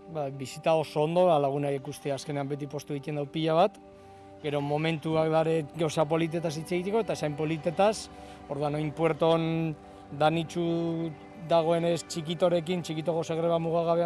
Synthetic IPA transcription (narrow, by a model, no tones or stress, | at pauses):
bajβisit̪ao̞so̞ːnd̪o̞βalaɣ̞unaiekust̪easke̞ne̞ambe̞t̪̬ipo̞st̪ueit̪e̞nd̪awpiʎaβat̪ | ɡe̞ɾo̞mo̞me̞nt̪uakd̪aɾe̞ɡawsapo̞lit̪̬e̞t̪as̬it͡se̞ɣit̪e̞ko̞et̪aesajmpo̞lit̪e̞t̪as | o̞ɾðuanojmpwe̞ɾt̪o̞n | d̪anit͡ʃu | ðaɣ̞o̞e̞ne̞st͡ʃikit̪o̞ɾe̞kint͡ʃikit̪o̞ko̞se̞ɣ̞ɾe̞βamuɣ̞aɣaβe